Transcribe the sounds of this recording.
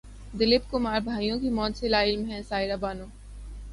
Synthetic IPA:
d̪ɪlɪpkʊmaːɾbʱaːijõkimɔːt̪selaɪlmɦɛ̃saːɪɾabaːnõː

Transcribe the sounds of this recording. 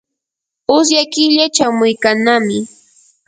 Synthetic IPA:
ʊs̬jakɪʎat͡ʃawmʊjkanamɪ

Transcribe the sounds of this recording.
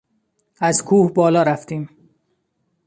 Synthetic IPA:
æzkʰuːhbɒːlɒːɾæft̪iːm

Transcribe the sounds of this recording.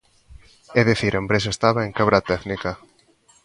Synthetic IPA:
ɛðiθiɾʔembɾes̬aest̪aβaeŋkaβɾat̪ɛðnika

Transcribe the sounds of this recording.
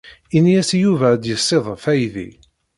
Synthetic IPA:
injæsjuvæd̪jəsˤːeðˤəfæjðḭ

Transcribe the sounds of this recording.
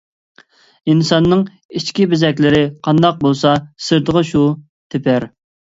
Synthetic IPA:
insɑnːɨŋ | it͡ʃkʲibɪzɛkʲlɪɾɪqʰɑnd̪ɑq̚bolˠsɑsɨɾd̪əʁəʃu | t̪ʰɪpʰæɾ

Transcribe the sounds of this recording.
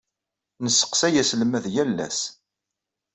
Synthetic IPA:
nəsːə̥qsæjæsləmæðjælːæ̰s

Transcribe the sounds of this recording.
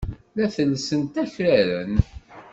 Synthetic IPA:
læθəlːsənt̪æçɾæɾən

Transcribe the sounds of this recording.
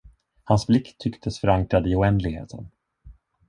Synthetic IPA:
hansblɪkt̪ʰːʏkt̪ʰəsfœɾaŋkɾad̪ɪʊɛnd̪lɪɡhḛːt̪ʰə̰n

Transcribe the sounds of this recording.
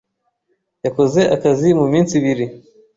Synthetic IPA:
jakozeʔakazimuminsiβiɾi

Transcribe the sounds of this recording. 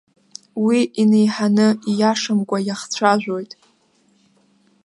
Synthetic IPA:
wiine̞jħanɨijaʂɨmkʷʼajaχt͡sʷʰaʒᶣʷojtʼ

